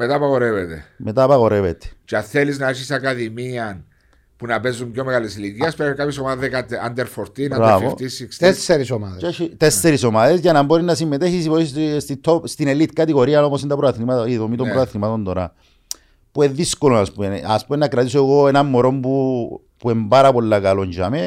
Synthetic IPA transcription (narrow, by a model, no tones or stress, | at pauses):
met̪aːpaɣo̞ɾevet̪ḛme̞t̪aːpaɣo̞ɾevet̪e̥t͡ʃeaθeliznɐeɾsisakaðimiɐn | punɐpezumbjomeɣalisiliciɐspeɾkapʰçesomaðekat̪a̰nd̪eɾfoɾt̪inaɾavot̪isikst̪esːeɾisomaðet͡ʃeit̪esːeɾiso̞maðe̞sʝɐnɐmbo̞ɾinːɐsimːet̪eçisiposst̪it̪ʰːost̪inelit̪kɐt̪iɣo̞ɾiɐno̞posind̪ɐpɾoaθnimat̪iðomit̪ombɾoaθnimat̪o̞nd̪o̞ɾa̰ | pueðːiskolonaspuenaspumenːɐkɾɐt̪isoeɣoenɐmːo̞ɾo̞mbu | puembaɾɐpo̞lːakalo̞ɲɟame